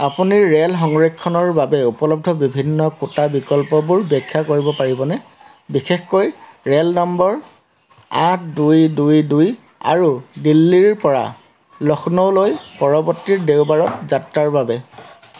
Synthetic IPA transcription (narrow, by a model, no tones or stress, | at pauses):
apuniɹɹelɦɔŋɹekʰːɔnɔɹbabɛupɔlɔb̚dʱɔbibʱinːɔkutabikɔlpɔbuɹbɛkʰːakoɹibɔpaɹibɔnɛ | bixexkojɹelnɔmbɔɹ | atʰdujdujduj | a̰ɹudilːiɹpɔɹa̰ | lɔxnɔlojpɔɹɔbɔtːiɹdewbaɹɔtzatɹaɹbabɛ